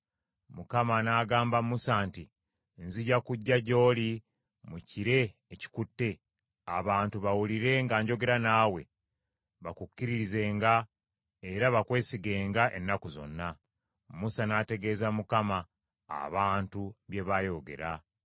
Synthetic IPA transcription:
mukamanaːɡaːmbamusaːnti | nziɟakuɟːaɟo̞ːli | muciɾe̞ːci̥kutːe̞ | a̰βaːntuβawuliɾe̞ŋɡaːɲɟo̞ɡe̞ɾanaːwe̞̰ | βakukːiɾiɾize̞ːŋɡa | e̞ɾaβakwe̞ːsiɡe̞ːŋɡaʔe̞̰nːakuzo̞̰nːa | musanaːte̞ɡe̞ːzamukama̰ː | βaːntuβje̞βajo̞ɡe̞̰ɾa

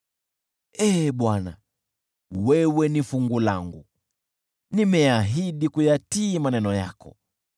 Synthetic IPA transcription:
ɛɓwana̰ | wɛwɛnifuŋɡulaŋɡṵ | nimɛaɦiɗikujatiːmanɛnɔja̰kɔ̰

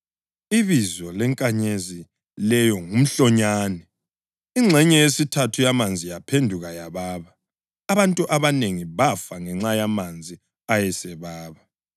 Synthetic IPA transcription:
iβizɔlɛŋkʼaɲezi | lɛjɔŋum̩ɬɔɲaːnɛ | iŋ͡ǁʱɛɲɛjesitʰatʰujamand͡zʱijapʰendʱuɣajaβaːβaː | βantʼuʔaβaneŋiβafaŋɛŋ͡ǁajamand͡zʱi | ajɛsɛβaːβa

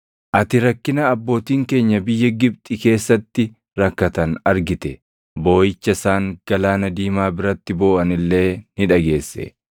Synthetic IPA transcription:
ʔɐt̪ɪɾɐkːɪnɐːbːo̞ːt̪iːŋke̞ːɲːɐbɪjːɐɡɪb̚t̪ʼɪke̞ːsːɐt̪ːɪ | ɾɐkːɐt̪ɐnɐɾɡɪt̪ɛ | bo̞ːjɪt͡ʃːɐsaːŋɡ̥ɐlaːnɐd̪iːmaːbɪɾɐt̪ːɪbo̞ːʔɐnɪlːe̞ːnɪᶑɐɡe̞ːsːɛ̰

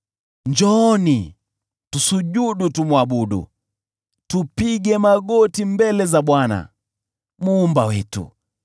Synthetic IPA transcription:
ɲd͡ʒɔni | tusuɟuɗutumwaɓuɗṵ | tupiɡɛmaɡɔtimbɛlɛzaɓwana̰ | muːmbawɛtṵ

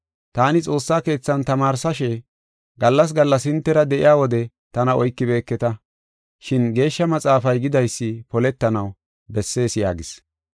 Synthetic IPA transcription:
t̪aːnɪt͡sʼo̞ːsːaːke̞ːt͡sːɐnt̪ɐmaːɾsɐʃɛ | ɡɐlːɐs̬ɡɐlːɐsɪnt̪ːɛɾɐd̪ɛʔɪ̰jaːwɔd̪ɛ | t̪ɐnɐɔjkːɪbe̞ːkːɛt̪ɐ | ʃɪnɡe̞ːʃːɐmɐt͡sʼaːfɐjɡɪd̪ɐjsːɪpɔlɛt̪ːɐnɐw | bɛsːe̞ːsɪja̰ːɡɪs

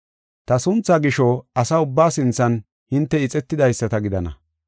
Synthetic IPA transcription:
t̪ɐsʊnt͡sːaːɡɪʃɔɐsɐʊbːaːsɪnt͡sːɐn | hɪnt̪ːɛɪt͡sʼɛt̪ːɪd̪ɐjsːɐt̪ɐɡɪd̪ɐnɐ̰

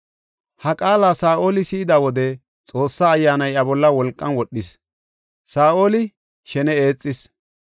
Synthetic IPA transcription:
hɐkʼaːlaːsaːʔo̞ːlɪsɪːɪd̪awɔd̪ɛ | t͡sʼo̞ːsːaːjːaːnɐjɐbɔlːɐwɔlkʼːɐnwɔɗːɪs | saːʔo̞ːlɪ | ʃɛnɛe̞ːt͡sʼːɪs

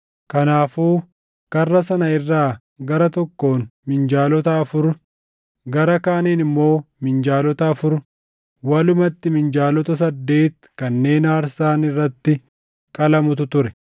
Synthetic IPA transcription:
kɐnaːfuː | kɐrːɐsɐnɐɪrːaː | ɡɐɾɐt̪ɔkːo̞ːnmɪnd͡ʒaːlɔt̪ɐɐfʊɾ | ɡɐɾɐkaːniːnɪmːo̞ːmɪnd͡ʒaːlɔt̪ɐːfʊɾʊ | wɐlʊmɐt̪ːɪmɪnd͡ʒaːlɔt̪ɐs̬ɐd̪ːe̞ːt̪ | kɐnːe̞ːnaːɾsaːnɪrːɐt̪ːɪ | kʼɐlɐmʊt̪ʊt̪ʊɾɛ

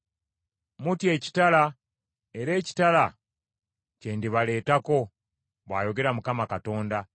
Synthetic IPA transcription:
mutje̞ːci̥tala | e̞ɾe̞ːci̥tala | cendiβale̞ːtako̞ | βwaːjo̞ɡe̞ɾamukamakato̞ːnda

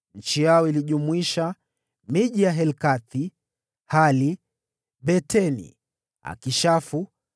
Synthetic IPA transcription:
n̩t͡ʃijaɔiliʄumuiʃa | miʄijaɦɛlkaθi | hali | ɓɛtɛnḭ | a̰kiʃafu

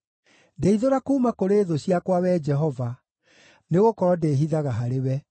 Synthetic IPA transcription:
ndeiðoɾakuːmakoɾeːðoɕiakwawɛd͡ʒɛɦɔva | neɣokɔɾɔdeːɦiðaɣaɦaɾewɛ

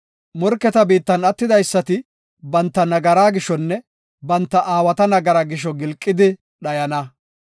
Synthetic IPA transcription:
mɔɾkːɛt̪ɐbiːt̪ːɐnɐt̪ːɪd̪ɐjsːɐt̪ɪ | bɐnt̪ːɐnɐɡɐɾaːɡɪʃɔnːɛ | bɐnt̪ːɐʔaːwɐt̪ɐnɐɡɐɾɐɡɪʃ̬ɔɡɪlkʼːɪd̪ɪ | ɗɐjɐnɐ

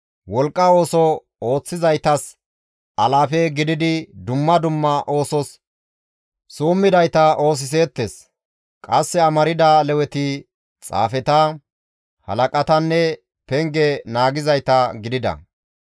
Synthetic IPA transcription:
wɔlkʼːɐo̞ːsɔ | o̞ːt͡sːɪzɐjt̪ɐs | ʔɐlaːfɛɡɪd̪ɪd̪ɪd̪ʊmːɐd̪ʊmːɐʔo̞ːsɔs | suːmːɪd̪ɐjt̪ɐʔo̞ːs̬ɪs̬eːt̪ːes | kʼɐsːɛɐmɐɾɪd̪ɐlɛwɛt̪ɪ | t͡sʼa̰ːfɛt̪ɐ | hɐ̰lɐkʼɐt̪ɐnːɛ | pɛŋɡɛnaːɡɪzɐjt̪ɐɡɪd̪ɪd̪ɐ̰

